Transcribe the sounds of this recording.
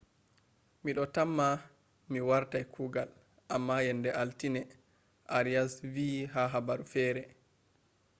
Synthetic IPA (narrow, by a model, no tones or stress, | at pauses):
miɗɔtamːa | miwaɾtajkʰuːɡal | ʔamːajɛndɛʔaltinɛ | ʔaɾijasviːɦaɦabaɾufɛːɾɛ